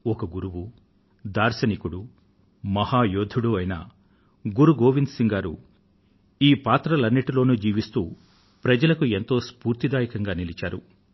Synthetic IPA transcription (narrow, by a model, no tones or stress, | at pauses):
ɔkɐɡuɾuwu | d̪aːɾsɐnikuɽu | mɐhaːjoːd̪ʱuɽuːɐjnɐ̰ | ɡuɾuɡoːʋind̪siŋɡaːɾṵ | iːpaːt̪ɾɐlɐnːiʈilo̞ːnuːd͡ʒiːʋist̪ṵː | pɾɐd͡ʒɐlɐkue̞nt̪o̞ːspuːɾt̪id̪aːjɐkɐŋɡaːnilit͡ʃaːɾu